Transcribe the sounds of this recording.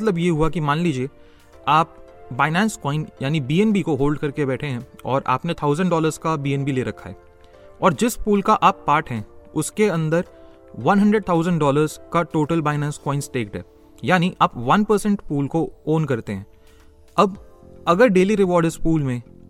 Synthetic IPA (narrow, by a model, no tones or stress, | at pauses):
t̪ləbjeɦuakimaːnliːd͡ʒie | aːp̚ | baːɪnɛ̃ːnskɔːɪnjaːnibiːɛnbikoɦoːlɖ̚kɐɾkebɛːʈʰeɦɛ̃ɔːɾʔa̰ːpnet̪ʰaːʊzə̃ɳɖɔːləɾzkabiːɛ̃nbileːɾɐkʰːa̰ɦɛ̰ː | ɔːɾd͡ʒɪspuːlkaʔaːpːaːɾʈɦɛ̃ʊskeɐ̃nd̪əɾ | ʋɐ̃nɦɐ̃ɳɖɾəɖ̚t̪ʰaʊzə̃ɳɖɖɔːləɾzkaʈoːʈəlbaːɪnɛ̃ːnskɔːɪnsʈeːk̚ɖɛ̰ːp | jaːniʔaːpʋɐnpəɾsə̃ɳʈpuːlkooːnkɐɾt̪eɦɛ̃ː | ɐb | ɐɡəɾɖeːliɾɪʋɔːɾɖɪspuːlmẽ